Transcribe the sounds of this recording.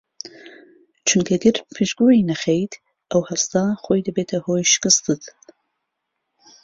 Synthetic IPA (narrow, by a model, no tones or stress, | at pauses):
t͡ʃʰunkʰɐɡɨɾpʰɨʒɡoinɐχejt̪ | ʔɐwhɐst̪aχoːjd̪ɐbeːt̪ʰɐhoːjʃkɨst̪ɨt̪